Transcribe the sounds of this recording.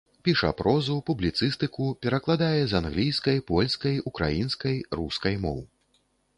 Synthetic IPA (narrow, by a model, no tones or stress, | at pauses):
pʲiʂɐ̰pɾʔɔzupublʲit̪sɨst̪ɨkupʲɛɾɐklˠad̪ajɛzanɣlʲijskɐjpɔlʲskɐjukɾa̰jinskɐjruskɐjmɔ̰w